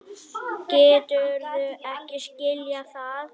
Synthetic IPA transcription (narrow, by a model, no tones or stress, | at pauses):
cɛːt̪ʏɾθʏɛhcɪscɪljaθað